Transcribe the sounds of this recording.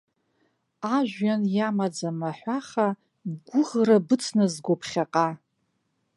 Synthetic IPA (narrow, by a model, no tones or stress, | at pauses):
aʒʷᶣanjamad͡zamaħʷaχa | ɡʷʊʁrabɨt͡sʰnazɡʷopʰχʲaqʼa